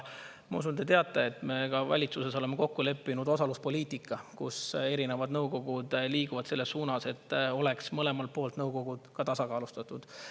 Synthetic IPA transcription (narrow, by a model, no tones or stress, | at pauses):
mɑṵs̬und̪et̪e̞ɑt̪ːˑeet̪ːme̞kɑvæ̰lʲit̪suse̞sole̞me̞ko̞kːule̞pːinud̪o̞sɑluspo̞liːt̪ikːˑɑkuse̞ɾinevɑd̪nɤwɡo̞ɡ̥ud̪̥liːɡ̥uvɑd̪se̞lːe̞sːuːnɑse̞t̪ːo̞le̞ksmɤle̞mɑlt̪̚po̞ːlt̪nɤwɡ̥o̞ɡ̥ud̪̥kɑt̪ɑsɑkɑːlust̪ɑt̪ːˑud̪̥